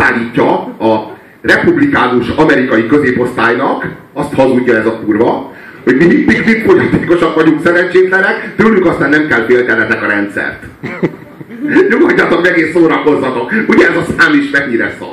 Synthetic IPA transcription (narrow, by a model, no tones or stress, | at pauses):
aːlːiːcːɒɒ | rɛpublikaːnuʃɒmɛɾikɒjikø̞zeːpo̞st̪aːjnɒk | ɒst̪hɒŋːuɟːɒɛzɒpurbɒ | ho̞ɟmiipikpit̪kojɒt̪eːko̞ʃɒkʋɒɟuŋksɛɾɛɲt͡ʃeːt̪lɛnɛkt̪øːlyŋkɒst̪aːnːɛmkɛlfeːlt̪ɛlɛt̪ɛkɒɾɛnt̪sɛ̰rt̪ | ɲomɒɲːɒt̪okɛɡeːsːoːɾɒko̞zːɒt̪okuɟɛɛzɒsaːmiʃmɛɡɲiɾɛ̰sɒ̰